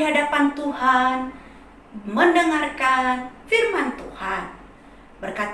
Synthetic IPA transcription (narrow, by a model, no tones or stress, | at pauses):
iɦadapant̪uhan | məndəŋarkanfirmant̪uhan | bərkat̪